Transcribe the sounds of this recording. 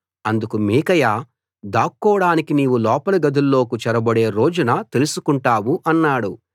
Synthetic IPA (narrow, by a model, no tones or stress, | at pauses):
ɐnd̪ukumiːkɐjaː | d̪aːkːɔːɽaːnikiniːwulɔːpɐlɐɡɐd̪ʱulːo̞ːkut͡ʃɛɾɐbɐɽe̞ːɾo̞ːd͡ʒunɐt̪elusukuɳʈaːwuʔɐnːaːɽu